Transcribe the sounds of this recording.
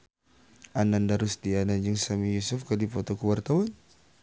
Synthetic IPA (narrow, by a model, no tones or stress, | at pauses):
anandaɾusdianad͡ʒəŋsamijusufkadifɔt̪ɔkuwart̪awan